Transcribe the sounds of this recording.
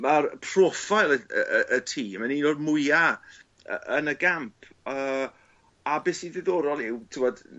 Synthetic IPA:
marpʰrɔfajlˠəə̰əʔətʰiːmaninoːdmʊja | ə̰ʔənəɡampʰ | əː | abesiðɪðoɾɔlˠɪwtʰɪwɔd̥

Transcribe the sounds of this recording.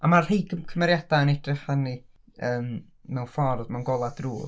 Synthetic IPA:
amar̥ejɡəkʰəmɛɾjad̥aənɛdrɪχəni | əːm | mɛwnfɔrðmɛwnɡɔlˠad̥ruː

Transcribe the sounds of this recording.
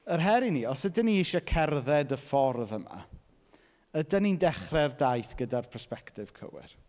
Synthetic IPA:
ərɦɛɾiniɔsədəniɪʃakʰɛrðɛdəfɔrðəma̰ | ədanindɛχrɛrdajθɡ̥ədarpʰɛspɛktɪv̥kʰə̰wɪ̰r

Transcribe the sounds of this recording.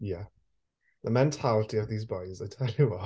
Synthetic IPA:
jæ | ðəmɛ̃ntʰalətiəvðiːzbɔɪzaɪtʰɛlˠjəwɔ

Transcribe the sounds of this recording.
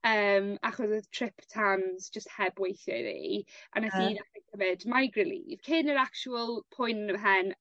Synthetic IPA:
əːmaχɔsəðtʰrɪpʰtʰanzd͡ʒəst̚hɛbwejθjɔ̰ðḭʔa̰naθiːðaχɛɡ̥əvɛdmajɡrɪlḭːv̥kʰɪnəɾakt͡ʃuəlˠpʰɔjnnəmɦɛn

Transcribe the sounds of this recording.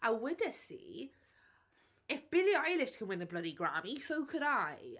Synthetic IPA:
awədəsḭː | ɪfb̥ɪliajlɪskʰə̃nwɪ̃nəblədiɡɹa̰misowkʰəɾaj

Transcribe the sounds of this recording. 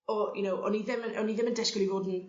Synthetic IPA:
ɔjʔʊnowʔɔ̰niðɪməɔniðɪməndɛsklˠivoːdn̩

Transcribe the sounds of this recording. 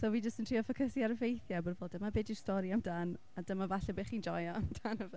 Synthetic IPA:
soːwid͡ʒəstəntʰr̥iːɔfəkʰəsiaɾəvejθjabɔrvoːdəmabeːdistɔɾiamdan | adəmavaɬɛbeːχiːnd͡ʒɔjaamdanəvɛ

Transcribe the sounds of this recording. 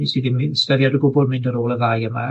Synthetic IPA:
isiðimɪðstəðjadəɡʊbɔlˠmɪndəɾoːlˠəðajəma

